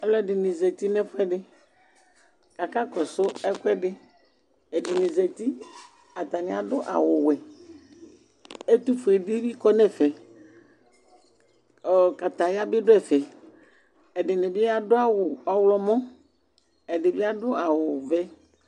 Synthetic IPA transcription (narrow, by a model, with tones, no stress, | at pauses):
ɛ˦lɔ˦dɪ˨nɪ̃˨zɛ˨t̪i˦nɛ̃˦fʊ˦ɛ˦ɖɪ˦ | ka˨ka˦kɔ˨sʊ˦ɛ˦kʊ˦ɛ˦ɖɪ˦ | ɛ˨dɪ˨nɪ˨zɛ˨t̪i˦ | a˨t̪a˨nɪ̃˨a˨dʊ˦ʔa̰˨wʊ˨wɛ˨ | e˦t̪u˦fʊ˨e˨di˦bi˦kɔ˦nɛ̃˦fɛ˨ | ka˨t̪a˨ja˦bɪ˦ɖʊ˦ɛ˨fɛ˨ | ɛ˨ɖɪ˨nɛ˨bɪ˦a˦dʊ˦a˦wʊ˨ɔ˦wlɔ˦mɔ̃˦ | ɛ˨ɖɪ˨bɪ˦a˦dʊ˦a˨wʊ˨vɛ˦